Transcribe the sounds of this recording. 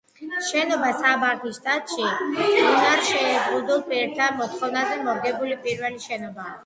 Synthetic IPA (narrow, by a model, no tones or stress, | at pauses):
ʃɛnɔbasabaɾt̪ʰist̪ʼat̪ʼʃiunaɾʃɛːzʼʁud̪ulˠpʼiɛɾt̪ʰamɔt̪ʰχɔvnazɛmɔɾɡɛbulipʼiɾvɛliʃɛnɔba